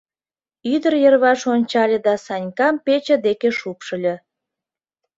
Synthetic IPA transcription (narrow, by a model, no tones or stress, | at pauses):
yd̪ərjərβɑʃonʲt͡ɕɑlʲĕd̪ɑsɑnʲkɑmpet͡ɕə̆d̪ekeʃupʃə̆lʲĕ